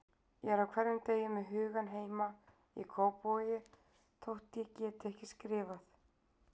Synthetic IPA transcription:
jɛɾawkʰvɛɾðʏmt̪eːjʏmːɛðɦʏːɣanɦeːjma | ḭkʰoːwpojɪ | t̪ʰowht̪jɛcɛːt̪ɛhcɪ̥skɾɪːvaθ

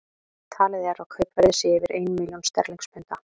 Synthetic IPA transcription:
t̪ʰaːlɪðɛɾawkʰœɥpvɛɾðɪsɪɪvɪɾʔeːjnmiljɔnst̪ɛ̰ɾliŋkspɛnt̪a

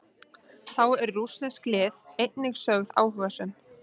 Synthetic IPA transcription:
θawɛɾːusnɛsklɪːθejt̪nɪxsœɣða̰ːwɦʏɣasʏn

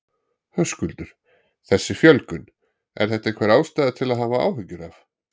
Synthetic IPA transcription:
hœskʏlt̪ʏɾ̥ | θɛsːɪfjœlkʏn | ɛ̰ɾ̥θɛht̪aiŋkvɛɾawst̪aːjðat̪ʰɪlaðɦavaa̰ːwɦʏcːʏɾaf

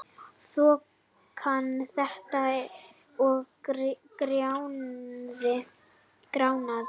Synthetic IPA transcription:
sɔ | kʰanθɛht̪a | ɔɣ | kɾjawnðɪ | kɾaːwnað

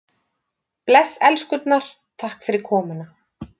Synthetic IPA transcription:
plɛsːɛlskʏt̪naɾ̥ | θʰahkfɪɾɪɾ̥kʰɔːmʏna

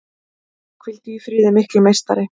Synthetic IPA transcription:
kʰvɪlt̪ɪifɾʏːðɪmɪhklɪmejst̪a̰ɾɪ

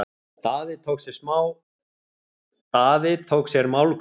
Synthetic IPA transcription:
t̪aːðɪt̪ʰowksjɛɾ̥smaːw | t̪aːðɪt̪ʰowksjɛɾmawlk

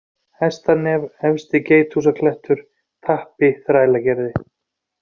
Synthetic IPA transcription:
hɛst̪anɛvɛvst̪ɪceːjt̪ʰhusakʰlɛht̪ʏɾ̥ | t̪ʰahpɪθɾaːjlacɛɾðɪ

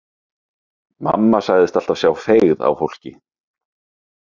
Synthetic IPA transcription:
ma̰mːasaɣðɪst̪al̥t̪av̥sjawfeːɣða̰wfowl̥cɪ

